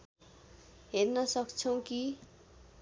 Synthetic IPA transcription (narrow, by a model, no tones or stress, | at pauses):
ɦernʌsʌkt͡sʰʌw̃ki